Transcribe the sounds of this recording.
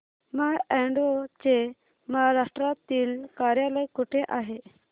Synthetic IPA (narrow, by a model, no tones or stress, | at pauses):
maɛɳɖot͡ɕe | məɦaɾaʂʈɾat̪iːlkaɾjaləjkuʈʰeʔaɦe